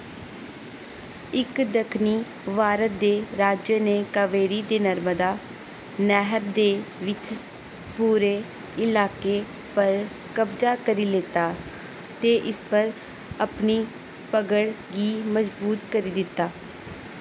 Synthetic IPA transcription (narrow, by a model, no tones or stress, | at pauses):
ɪkd̪əkʰniː | ʋaːɾət̪̚d̪eːɾaːd͡ʒjəneːkəʋeːɾiːd̪eːnəɾməd̪aː | nɛɦəɾd̪eːʋɪt͡ʃ | puːɾeː | ɪlaːkeː | pəɾ | kəbd͡ʒaːkəɾiːleːt̪aː | t̪eːʔɪspəɾ | əpniː | pəɡəɽɡiːməsbuːt̪kəɾiːd̪ɪt̪ːaː